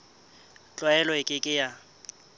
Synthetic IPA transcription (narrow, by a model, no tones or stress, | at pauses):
t͡ɬʼwaɛlɔɪkʼɪkʼɪja